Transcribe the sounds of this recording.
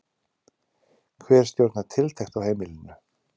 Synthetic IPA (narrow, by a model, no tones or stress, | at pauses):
kʰvɛːɛ̥st̪jowɾt̪nat̪ʰɪlt̪ʰejxt̪awheːjmɪlɪnʏ